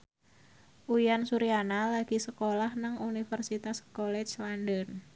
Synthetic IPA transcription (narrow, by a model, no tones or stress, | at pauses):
ʔuijansuɾianalaɡ̥i̤səkolahnaŋunifərsit̪askolɛt͡ʃslandɔn